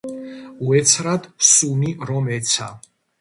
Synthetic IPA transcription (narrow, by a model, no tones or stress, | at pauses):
uɛt̪sʰɾad̪sumiɾɔmɛt̪sʰa̰